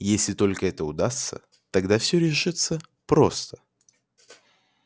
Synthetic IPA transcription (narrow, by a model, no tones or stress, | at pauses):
jesʲlʲɪt̪o̞lʲkəɛt̪əʊd̪ast̪sə̰ | t̪ɐɡd̪afsʲɵɾʲɪʂɨt̪sə | pɾo̞st̪ə̥